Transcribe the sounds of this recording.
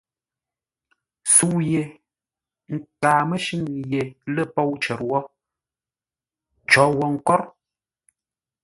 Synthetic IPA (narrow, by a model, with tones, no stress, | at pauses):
su˨je˨ | ŋ̩˨kaː˨mə˦ʃi˦ŋje˨lə˦˨pɔ˦˨wt͡ʃɛ˨ɾwɔ˦ | t͡ʃɔ˨˦wɔ˨ŋ̩˨kɔ˦ɾ